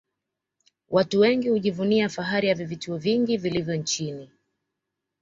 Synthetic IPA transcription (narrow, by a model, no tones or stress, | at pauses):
wʔatuwɛŋɡihuʄivuniafaɦaɾijavivituɔviŋɡivilivjɔnt͡ʃini